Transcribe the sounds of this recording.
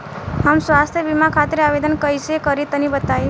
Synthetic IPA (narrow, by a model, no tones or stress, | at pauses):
ɦəmswast̪ʰjəbimakʰat̪iɾabed̪ənkəjsekəɾit̪ənibət̪aj